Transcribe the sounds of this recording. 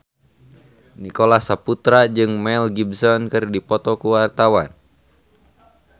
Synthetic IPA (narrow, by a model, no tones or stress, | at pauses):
nikɔlahsaput̪ɾad͡ʒɨŋmɛlɡibsɔnkɨrdipɔt̪ɔkuwart̪awan